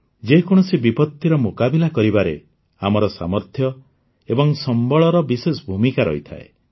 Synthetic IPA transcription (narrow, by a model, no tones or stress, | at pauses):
d͡ʒekɔɽ̃ɔsibipɔt̪ːiɾɔmokabilakɔɾibaɾḛ | amɔɾɔsa̰mɔɾt̪ʰjɔ | ebɔŋsɔmbɔɭɔɾɔbisesɔbʱumikaɾɔ̰ɦit̪ʰa̰ḛ